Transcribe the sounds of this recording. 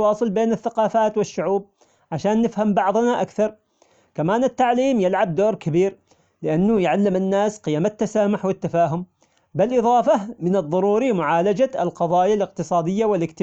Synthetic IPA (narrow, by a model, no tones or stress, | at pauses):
wɑːsˤɨlbeːnɪθːaqɑːfaːt̪wɪʃːʊʕuːb̚ | ʕaʃaːnːɪfhambɑʕðˤnaʔakθɑɾˤ | kamaːnɪt̪ːaʕliːmjɪlʕab̚d̪oːɾˤkabiːɾ | lɪʔanːʊjʕalːɪmɪnːaːsqɪjaːmat̪ːasaːmʊħwɪt̪ːafaːɦʊm | bɪlʔɨðˤɑːfɑmɪnɨðˤːɑɾuːɾimʊʕaːlad͡ʒalqɑðˤɑːjalɪq̚t̪ɨsˤɑːd̪ɪjːawɪlɪkt̪ɪ